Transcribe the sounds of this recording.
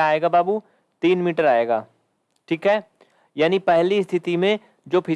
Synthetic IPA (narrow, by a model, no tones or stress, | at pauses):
aːeːɡabaːbu | t̪iːnmiːʈəɾaːeːɡa̰ː | ʈʰiːkɦɛː | jaːnipɛɦlist̪ʰɪt̪imẽ | d͡ʒoːpʰɪ